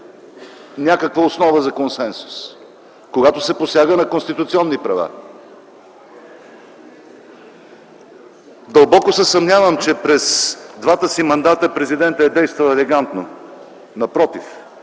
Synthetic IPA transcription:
nʲakəkvəosnɔvəzɐkonsɛnsu̥s | koɡat̪ʊsɛposjaɡənɐkonst̪it̪ʊt̪siɔnːipɾɐva̰ | d̪ɐlˠbɔkʊsɛsɐmnʲavəmt͡ʃɛpɾɛzd̪vat̪əsimɐnd̪at̪əpɾɛzid̪ɛnt̪əɛd̪ɛjst̪vɐlˠɛlɛɡant̪no | nɐpɾɔt̪if

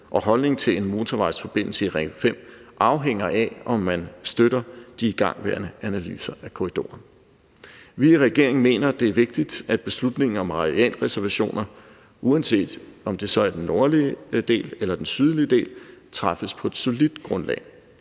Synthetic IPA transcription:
ʔɒ̽ɦɒ̽lne̝ŋt͡sʰe̝le̝nmo̝ːt͡sʰoʋɑ̈ɪ̥sfɒ̽b̥e̝n̰l̩səiʁɛɡ̥fem̰ʔɑ̈ʊɦeŋ̰ɐʔæɒ̽mːænsd̥øɾɐd̥iːɡ̥ɑ̈ŋ̰ʋæɐnəænæly̰ːsɐʔækʰo̝ʁid̥o̝̰ːɐn | ʋiːʁɛɡ̥e̝ɐ̰eŋn̩me̝̰ːnɐd̥e̝æɐʋe̝ɡ̥̚d̥id̥æd̥̚b̥e̝slud̥ne̝ŋn̩ɒ̽mʁɑ̈ʁiɛ̰ːlʁɛsæɐʋæɕo̝̰ːnɐ | ʔuænse̝̰ːd̥ɒ̽md̥e̝sɒ̽æɐd̥enːo̝ɐlid̥e̝̰ːlelɐd̥ensyð̞ˠliəd̥e̝̰ːlt͡sʰʁɑ̈fəspʰɒ̽e̝d̥so̝lid̥ɡ̥ʁɔ̽nlɛ̰ːɪ

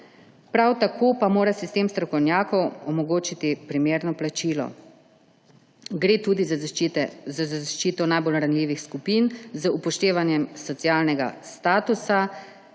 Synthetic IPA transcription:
pɾawt̪akʰoːpamoːɾasist̪eːmst̪ɾɔkɔwnʲjaːkɔwɔmɔɡoːt͡ʃit̪ipɾimeːɾnɔplat͡ʃiːlɔ̰ | ɡɾeːt̪ud̪iz | zazazaʃt͡ʃiːt̪ɔnajbolɾanliːʋixskupiːnzəupɔʃt̪eːʋanjɛmsɔt̪sijaːlnɛɡa̰st̪aːt̪usa

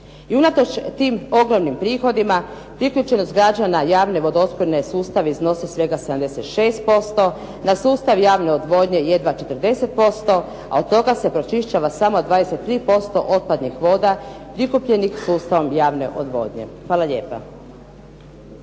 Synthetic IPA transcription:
iunat̪o̞t͡ʃt̪iːmo̞ɡɾomnimpɾiːxo̞d̪ima | pɾikʎʲut͡ʃe̞nost̪ɡɾad͡ʒanajaːʋne̞ʋo̞d̪oot̪poɾnesuːst̪aʋeizno̞sesʋe̞ɡased̪amd̪e̞set̪ʃe̞ːst̪̚po̞st̪o̞ | nasuːst̪aʋjaːʋneod̪ʋo̞d̪ɲe̞je̞d̪ʋat͡ʃet̪əɾd̪e̞se̞t̪̚po̞st̪o̞ | a̰od̪̚t̪ːo̞ɡase̞pɾo̞t͡ʃiʃt͡ʃaʋasamo̞d̪ʋaːd̪ese̞t̪ːɾiːpo̞st̪o̞ʔo̞t̪̚pad̪nixʋo̞ːd̪a | pɾikupʎe̞nixsuːst̪aʋo̞mjaːʋne̞̰ʔod̪ʋo̞̰ːd̪ɲe̞̰xʋaːlˠaʎe̞ːpa̰

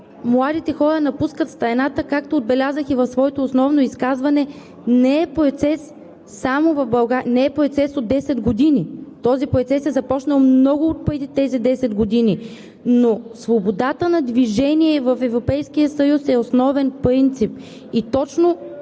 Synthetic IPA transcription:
mlˠad̪it̪ɛxɔɾənɐpuskət̪st̪ɐɛnat̪əkak̚t̪oːd̪̚bɛlʲazəxivɐfsvɔɛt̪oːsnɔvnoiskazvɐnɛ | nɛɛpɾɛt̪sɛsː | amovɐvbɐlˠɡanɛɛpɾoɛt̪sɛsod̪ːɛsɛd̪ɡod̪init̪ɔzipɾoɛt̪sɛsɛzɐpɔt͡ʃnəlˠmnɔɡʊot̪̚pɤt̪it̪ɛzid̪ɛsɛd̪ɡod̪ini | nosvobod̪at̪ənɐd̪viʒɛniɛvɐfɛvɾopɛjskijəsɐjusɛosnɔvɛnpɾint̪sip | it̪ɔt͡ʃno

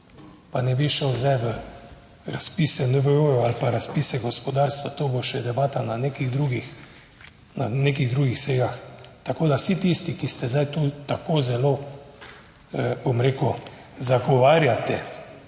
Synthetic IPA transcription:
panɛbiʃəwzɛjʋə | ɾaspisɛnəʋəoɔalpaɾaspisɛɡɔspɔd̪aɾst̪ʋat̪oːboʃɛd̪ɛbaːt̪ananekiɣd̪ɾuːɡix | naneːkiɣd̪ɾuːɡixsɛjaxt̪akoːd̪awsit̪ist̪ikist̪ɛzajt̪uːt̪akoːzɛlo | bomɾeːku | zaɡɔʋaːɾjat̪ɛ

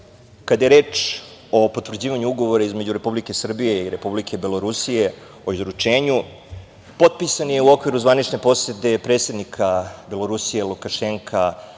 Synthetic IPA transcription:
kad̪ajeɾe̞ːt͡ʂ | o̞po̞t̪ʋr̩d͡ʑiːʋaɲuuɡo̞ʋo̞ɾaizme̞d͡ʑuɾe̞publike̞sr̩bije̞iɾe̞publikʰe̞be̞lo̞ɾusije̞ | o̞izɾut͡ʂe̞ːɲu | po̞t̪̚pisanje̞uo̞kʋiɾuzʋanit͡ʂne̞po̞sjet̪e̞pɾet̪se̞d̪nikʰabe̞lo̞ɾusijelˠukaʃeŋkʰa

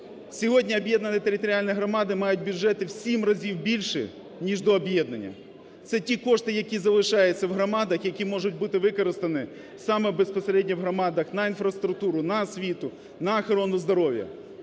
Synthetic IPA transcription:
sʲɔɦɔdʲnʲiɔbjɛd̪nɐnɪt̪eɾɪt̪ɔɾʲialʲnɪjɦɾɔmɑd̪ɪmɑjʊt̚ʲbʲjʊd͡ʒɛt̪ɪwsʲimrɐzʲiwbʲilʲʃɪ̰ | nʲiʒd̪ɔːbjɛd̪nɐnʲːɐ̰ | t̪sɛtʲikɔʂt̪ɪjɐkʲizɐlˠɪʃɑjɛt͡sʲːɐwɦɾɔmɑd̪ɐxjɐkʲimɔʐʊt̚ʲbut̪ɪʋɪkɔɾɪst̪ɐnɪ | sɑmɛbespɔseɾɛdʲnʲɐwɦɾɔmɑd̪ɐxnɐinfɾɐst̪ɾʊk̚t̪uɾʊnɐsʲʋʲit̪ʊ | nɐɐxɔɾɔnʊzd̪ɔɾɔwjɐ̰

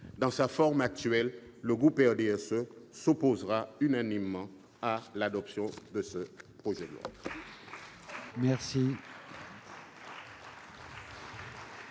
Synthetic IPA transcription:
d̪ɑ̃safɔʁmak̚t̪ɥɛlːəɡʁupɛʁd̪eɛsøsopozʁaynanimːɑ̃ | alad̪ɔpsjɔ̃d̪əsəpχoʒɛd̪əlwɔ̰d̪ | mɛʁsi

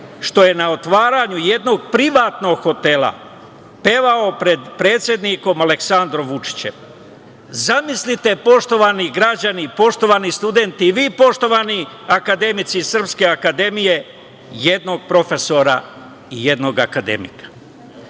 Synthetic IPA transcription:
ʃt̪o̞je̞nao̞t̪ʋaːɾaɲujed̪no̞ɡ̚pɾiʋaːt̪no̞ɡxo̞t̪e̞la̰ | pe̞ːʋao̞pɾe̞d̪pɾe̞ːt̪sʲje̞d̪niko̞male̞ksand̪ɾo̞mʋut͡ʂi̥t͡ɕe̞̰m | zamislit̪e̞po̞ʃt̪o̞ʋaːniɡɾad͡ʑanipo̞ʃt̪o̞ʋaːnist̪ud̪e̞nt̪iːʋiːpo̞ʃt̪o̞ʋani | akad̪e̞mit̪sisr̩pske̞akad̪e̞mije̞ | je̞d̪no̞ɡ̚pɾo̞fe̞so̞ɾa̰ | ije̞d̪no̞ɡa̰kad̪ḛmḭkḁ

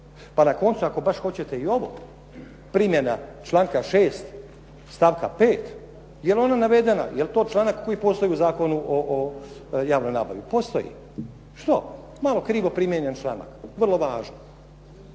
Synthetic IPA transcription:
panako̞nt̪suako̞baʃxo̞t͡ɕet̪e̞io̞ʋo̞̰ | pɾimjenat͡ʃlˠaːŋkaʃeːst̪ | st̪aʋkape̞ːt̪ | jelo̞nanaʋe̞d̪ena̰jelt̪o̞ːt͡ʃlˠaːnakkːo̞jipo̞st̪o̞jiuzaːko̞nuʔoʔojaːʋnomna̰ːba̰ʋipost̪o̞̰jḭ | ʃt̪o̰ | malo̞kɾiːʋo̞pɾimjeɲent͡ʃlˠa̰na̰kʋr̩lo̞ʋaːʒno

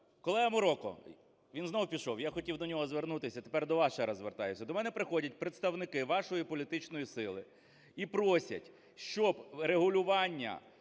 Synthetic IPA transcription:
kɔlˠɛɦɐmʊɾɔkɔ̰ | ʋʲinznɔwʊpʲiʃɔwjaxɔtʲiwd̪ɔnʲɔɦɔzʋernut̪ɪsʲɐt̪epɛrd̪ɔʋɑʃɛɾɐzʋert̪ɑjʊsʲɐd̪ɔmɛnɛpɾɪxɔdʲɐt̚ʲpɾet̪st̪ɐwnɪkɪʋɑʃɔjipɔlʲit̪ɪt͡ʃnɔjisɪlˠɪ | ipɾɔsʲɐ̰tʲ | ʃt͡ʃɔbɾeɦʊlʲʊʋɑnʲːɐ̰

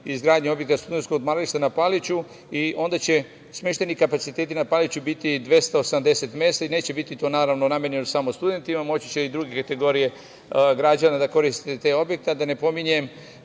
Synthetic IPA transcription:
izɡɾaːd̪ɲeo̞bje̞kt̪ast̪ud̪e̞nskod̪maɾliʃt̪anapalit͡ɕu | iʔo̞nd̪at͡ɕe̞ | smjeʃt̪e̞nikapat̪sit̪e̞ːt̪inapalit͡ɕubit̪id̪ʋe̞st̪aosamd̪e̞se̞t̪mje̞ːst̪aineːt͡ɕe̞bit̪it̪o̞ːnaːɾaʋno̞namʲje̞ɾɲe̞nosamost̪ud̪e̞nt̪imamo̞t͡ɕit͡ɕeid̪ɾuɡe̞kat̪e̞ɡo̞ɾije̞ | ɡɾad͡ʑanad̪ako̞ɾist̪i̥t̪et̪e̞ːo̞bje̞k̚t̪ed̪ane̞po̞miɲe̞m

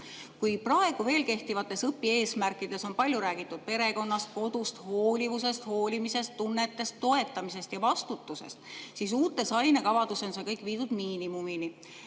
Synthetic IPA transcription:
kujprɑe̞ɡ̥uve̞ːlke̞ht̪ivɑt̪ːˑe̞sɤpːie̞ːsmærkˑid̪̥e̞so̞npɑlʲjuɾæːɡit̪ːˑud̪̥̚pe̞ɾe̞ko̞nːɑst̪̚ko̞d̪̥ust̪ho̞ːlʲivuse̞st̪ho̞ːlʲimise̞st̪ːunːe̞t̪ːˑe̞st̪ːo̞e̞t̪ːˑɑmise̞st̪jɑvɑst̪ut̪ːˑuse̞̰st̪sisuːt̪ːˑe̞sɑjnekɑvɑd̪̥usonse̞kɤjkˑviːd̪̥ud̪̥miːnimumini

